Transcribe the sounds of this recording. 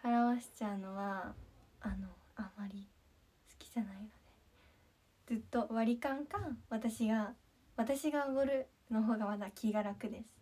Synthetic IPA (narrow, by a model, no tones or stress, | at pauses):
aɾaβaɕi̥t͡ɕano̞βaː | no̞amaɾʲi | sɨ̥kʲi̥ʑanainod̪e | d͡zɨt̪ːo̞βaɾʲikãŋkãŋβat̪aɕiɡa | βat̪aɕiɡaoɡoɾɯ̟ | no̞ɦo̞ːɡamad̪akʲʰiɡaɾakɯ̟d̪e̞sɨ̥